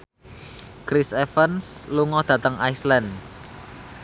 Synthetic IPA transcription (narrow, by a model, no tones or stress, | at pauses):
kɾisɛfənsluŋɔd̪̥ä̤t̪əŋaislɛn